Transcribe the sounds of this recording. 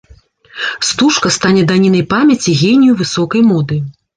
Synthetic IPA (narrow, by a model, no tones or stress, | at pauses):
st̪uʂkɐst̪anʲɛd̪anʲinɐjpamʲɐt͡sʲiɣʲenʲijuvɨsɔkɐjmɔd̪ɨ